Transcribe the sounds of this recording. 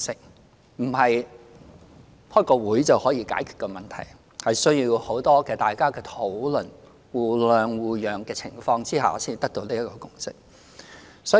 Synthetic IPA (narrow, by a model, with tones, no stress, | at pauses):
sɪ˥k̚ | m̩˨˩hɐ˨j | hɔː˥jkɔː˧wuː˨˥jt͡sɐ˨whɔː˨˥jiː˧ka̰ː˨˥jkʰy̥ː˨t̚kɔː˧mɐ˨nt̪ʰɐ̰˨˩j | hɐ˨jsɵ˥ɥjiː˧who˨˥wt̪ɔː˥kɛː˧t̪aː˨jkaː˥kɛː˧t̪ʰo˨˥wlɵ˨n | wuː˨˩lœː˨˧ŋwuː˨jœː˨˩ŋkɛː˧t͡sʰɪ˨˩ŋfɔː˧ŋt͡siː˥ɦa̰ː˨˧si˥˨˩t̪ɐ˥k̚t̪o˧wliː˥jɐ˥kɔː˧kʊ˥ŋsɪ˥k̚ | sɔː˨˥